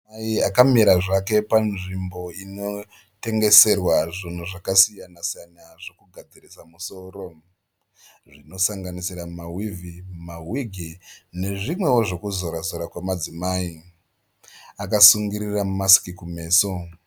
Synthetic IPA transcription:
aiakamiɾaʐake̞panʐimbo̞ino̞ | te̞ŋɡe̞se̞rwaʐin̤uʐakasijanasijanaʐo̞kuɡʱad͡zirisamuso̞ːro | ʐino̞saŋɡanisiɾamawivimawiɡʱine̞ʐimwe̞wo̞ʐo̞kuzo̞ɾazoɾakwamad͡zimaːi | akasuŋɡiɾiramasi̥kikume̞ːso

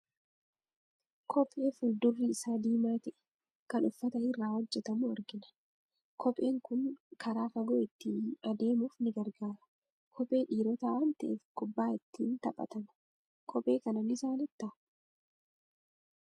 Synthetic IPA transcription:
kʰɔpʼːe̞ːfʊld̪ʊrːɪɪsaːd̪iːmaːt̪ɛʔɛ̥ | kɐnʊfːɐt̪ɐɪrːaːwɔd͡ʒːɛt̪ɐmuɐɾɡɪnɐ̥ | kʰɔpʼe̞ːŋkʊŋkʰɐɾaːfɐɡɔɪt̪ːiːɐd̪e̞ːmuːfnɪɡɐɾɡaːɾɐ̥ | kʰɔpʼe̞ːᶑiːɾɔt̪aːʔɐnt̪ɐʔeːfɡʊbːaːɪt̪ːiːnt̪ɐpʼːɐ̰t̪ɐn | kʰɔpʼe̞ːkɐnɐnɪsaːnɪt̪ːa

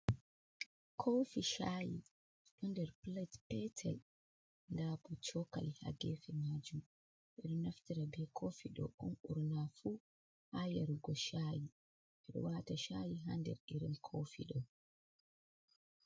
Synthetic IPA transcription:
kʰowfiʃaːji | ɗɔndɛɾplatpɛtʰɛl | ndaːput͡ʃɔka̰lha̰ɡɛfɛmaːd͡ʒum | ɓɛɗɔnaftiɾabɛkʰoːfiɗɔ̰ʔɔnʔuɾnafuː | hajaɾuɡɔʃaːji | ɓɛɗɔ̰waːtaʃaːjiɦandɛ̰ɾʔiɾinkʰofḭɗɔ

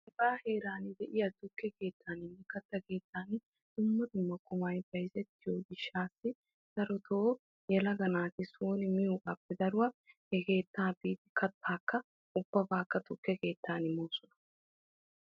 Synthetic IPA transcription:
ɐbaːhe̞ːɾaːnɪd̪ɛʔɪjɐt̪ʊkːɛke̞ːt̪ʰːaːnɪnːɛkɐt̪ːɐke̞ːt̪ʰːaːn | d̪̥ʊmːɐd̪ʊmːɐkʊmɐjb̥ɐjzɛt̪ːɪjoːɡɪʃːaːsːɪ | sɐɾɔt̪ʰoː | jɛlɐɡɐnaːt̪ɪsoːnɪmɪjukʼɐpːɛd̪ɐɾʊwɐhɛke̞ːt̪ːaːbiːt̪ɪkɐt̪ʰːaːkːɐ | ʊb̥ːɐbaːkːɐt̪ʊkːɛke̞ːt̪ːaːnɪmoːsʊnɐ̥

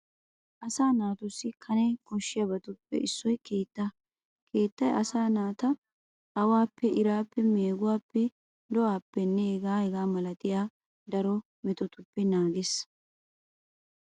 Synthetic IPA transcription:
ʔɐsaːnaːt̪ʊsːɪkʰɐnɛkɔʃːɪjɐbɐt̪ʊpːɛ̰ʔɪsːɔjke̞ːt̪ːɐ | kʰe̞ːt̪ːɐjɐsaːnaːt̪ɐː | waːpːɛʔɪɾaːpːɛmeːɡʊwaːpːɛ | d̪ɔʔaːpːɛnːɛɛɡaːhɛɡaːmɐlɐt̪ʼɪjaː | d̪ɐɾɔ | mɛt̪ɔt̪ʊpːɛnaːɡes

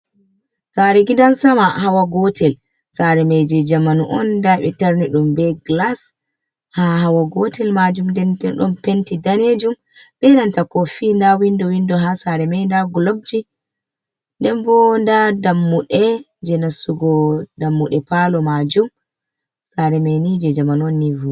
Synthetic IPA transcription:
saɾɛɡidansamahawaɡɔtɛl | saɾɛmɛjd͡ʒɛd͡ʒamanuʔɔndaɓɛtaɾniɗumbɛɡlas | hahawaɡɔtɛlmad͡ʒumndɛnbɛɗɔ̰mpentidaned͡ʒum | bɛnantakɔfindawindɔwindɔɦasaɾɛmɛjndaɡɔlob̚d͡ʒi | ndɛnbɔndadamːuɗɛ | d͡ʒɛnasuɡɔdamːuɗɛpalɔmad͡ʒum | saɾɛmɛnid͡ʒɛd͡ʒamanɔnːivu

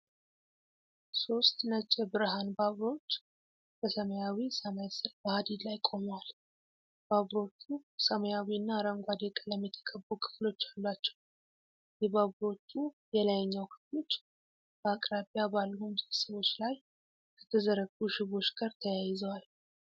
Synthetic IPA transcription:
so̞st̪nət͡ʃʼːɛbɨɾɨɦanbaβɾo̞t͡ʃː | b̥əsəməjawisəmajsɨlbəhad̪id̪lajkʼo̞mwal | b̥aβɾo̞t͡ʃːusəməjawiɨnːaɾəmɡʷad̪ɛkʼələmjɛt̪ʰə̥kʼʰəbːukʰɨ̥flo̞t͡ʃːalːat͡ʃːɛ̥w | jɛbaβɾo̞t͡ʃːu | jɛlajɛɲːawkʰɨ̥flo̞t͡ʃː | b̥əakʼɾabijabalːəhumzɨlsəβo̞t͡ʃːlaj | kʰət̪ʰəzəɾəɡuʃɪβo̞t͡ʃɡaɾt̪ʰəjajɪzəwal

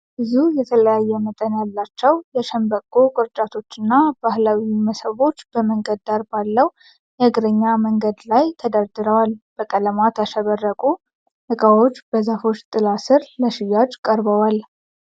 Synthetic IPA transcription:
bɨzujɛt̪ʰələjajːɛmət̪ʼənjalːat͡ʃːɛwjɛʃəmbəkʼːokʼɨɾt͡ʃʼat̪ʰo̞t͡ʃːɨnːabahlawiməsəβo̞t͡ʃːb̥əməŋɡəd̪d̪aɾbalːəw | jɛɨɡɾəɲːaməŋɡəd̪lajt̪ʰəd̪əɾd̪ɨɾəwalb̥əkʼələmat̪jaʃəβərːəkʼu | hɨkʼawo̞t͡ʃːbəzafo̞t͡ʃːt̪ʼɨlasɨɾləʃɪjːad͡ʒkʼəɾbəwal

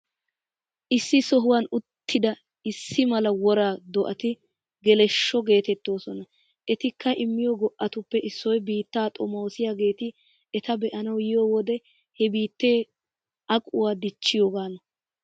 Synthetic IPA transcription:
ʔɪsːɪsɔɦʊwanʊt̪ːɪd̪ɐ | ɪsːɪmɐlɐwɔɾaːd̪ɔʔɐt̪ɪ | ɡɛlɛʃːɔɡe̞ːt̪ɛt̪ːo̞ːsɔnɐ | ʔɛt̪ɪkʰːɐʔɪmːɪjɔɡɔʔːɐt̪ʊpːɛʔɪsːɔjbiːt̪ːaːt̪ʼɔmoːsɪjaːɡe̞ːt̪ɪ | ɛt̪ɐbɛʔɐnɐwjɪjoːwɔd̪ɛ | hɛbiːt̪ːeː | ʔɐkʼʊwaːd̪ɪt͡ʃːɪjoːɡaːnɔ

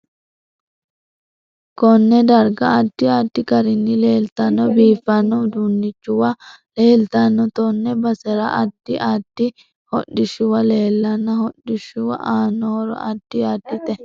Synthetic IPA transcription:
kɔnːɛd̪ɐɾɡɐːd̪̥ːɪad̪ːɪkɐɾɪnːɪleːlt̪ɐnːɔbiːfːɐnːɔd̪unːɪt͡ʃːʊwɐ | le̞ːlt̪ɐnːɔt̪ɔnːɛbɐsɛɾɐʔɐd̪̥ɪʔad̪̥ːɪ | hɔɗɪʃʊwɐle̞ːlːɐnːɐhɔɗːɪʃʊwɐ̰ʔaːnːoːɾɔ̰ɐd̪̥ːɪaːd̪ːɪt̪ɛ

